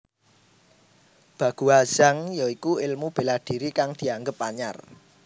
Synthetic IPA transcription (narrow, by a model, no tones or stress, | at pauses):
b̥ä̤ɡ̥ṳḁʒ̥a̤ŋjɔikuɪlmub̥e̤lahd̪̥i̤ɾikaŋd̪̥i̤aŋɡəpːaɲa̰r